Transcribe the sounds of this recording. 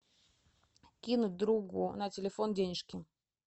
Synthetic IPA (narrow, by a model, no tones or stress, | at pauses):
kʲinʊt̚ʲd̪ɾuɡʊnətʲɪlʲɪfo̞ndʲenʲɪʂkʲɪ